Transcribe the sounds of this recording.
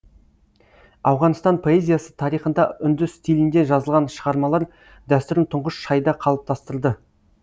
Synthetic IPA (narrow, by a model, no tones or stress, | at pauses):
ɑwʁɑnəst̪ɑnpʰo̞e̞zʲijasə̥t̪ʰɑɾijχənd̪ɑʏnd̪ɪsst̪ilɪnd̪e̞ʒɑzəlˠʁɑnʃəʁɑɾmɑlˠɑɾ | d̪æst̪ʏɾɪnt̪ʰʊɴʁəsʃɑjd̪ɑqʰɑlˠəp̚t̪ʰɑst̪əɾlˠd̪ə